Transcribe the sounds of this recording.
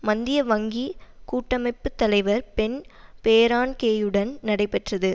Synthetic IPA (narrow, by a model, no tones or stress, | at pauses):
mɐnd̪ɪjɐʋɐŋɡikuːʈːɐmɐɪpːɯt̪ːɐlɐɪʋɐɾpɛnpeːɾaːnkeːjɯɽɐnnɐɽɐɪpɛʈrɐðɯ